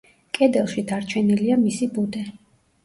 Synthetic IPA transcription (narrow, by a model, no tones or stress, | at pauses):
kʼɛd̪ɛlˠʃid̪aɾt͡ʃʰɛniliamisibud̪ɛ